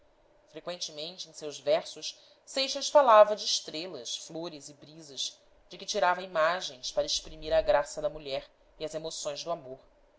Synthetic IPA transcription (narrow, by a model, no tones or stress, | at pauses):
fɾekwẽnt͡ʃɪmẽnt͡ʃɪẽsewzvɛɾsʊʃ | sejʃɐsfalavɐd͡ʒɪːʃt̪ɾelɐsfloɾɪzɪbɾizɐz | d͡ʒɪkɪt͡ʃiɾavɐimaʒẽj̃spaɾɐeʃpɾimiɾɐɡɾasɐd̪ɐmuʎɛɾ | iɐzemosõj̃zd̪ʊamoɾ